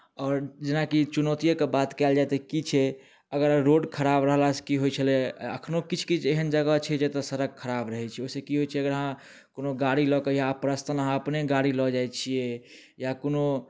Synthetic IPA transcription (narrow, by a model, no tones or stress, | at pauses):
ɔːɾd͡ʒenakit͡ʃunət̪ijokebat̪kɛld͡ʒaɛt̪ekit͡ʃʰɛ | əɡəɾɾoɖkʰəɾabɾəɦlase̥kiɦojt͡ʃʰəlɛə̰kʰnokit͡ʃʰkit͡ʃʰeɦənd͡ʒəɡət͡ʃʰɛd͡ʒet̪ɔsəɾəɡ̚kʰːəɾabɾəɦɛt͡ʃʰɛoisekiɦojt͡ʃʰɛəɡəɾəɦã | konoɡaɽilɔkejapɾəst̪ʰənəɦãəpneɡaɽilɔd͡ʒajt͡ʃʰie | jakono